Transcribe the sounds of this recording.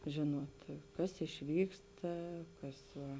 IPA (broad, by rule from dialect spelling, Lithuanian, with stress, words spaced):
ˈʒʲeːnuɔt ˈkɐs ɪʃʲˈʋʲiːkstɐ ˈkɐs ˈʋɐ